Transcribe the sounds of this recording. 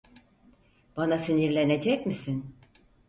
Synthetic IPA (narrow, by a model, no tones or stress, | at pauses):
b̥anasiniɾlʲe̞ne̞d͡ʒɛcmisin